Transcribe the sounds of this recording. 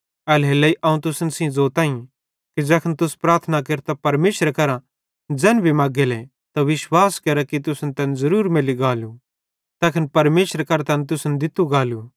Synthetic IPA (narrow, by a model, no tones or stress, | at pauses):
ɛːlɦelːɐiʔɐũt̪ʊsənsĩzoːt̪ãːĩ | kid͡ʒɛːkʰənt̪ʊspɾaːɾt̪ʰnakeːɾt̪apɐɾmeːʃɾkɐɾã | d͡ʒɛːnbʱimaːɡele | t̪aʋɪʃwaːskɐɾakit̪ʊsnt̪ɐːnzɐɾuːɾmeːliɡaːlu | t̪ɛːkʰənpɐɾmeːʃɾkɐɾt̪aːnt̪ʊsnd̪ɪt̪uɡaːlu